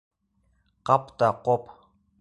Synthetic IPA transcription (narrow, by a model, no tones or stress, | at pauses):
qɑpt̪ɑqop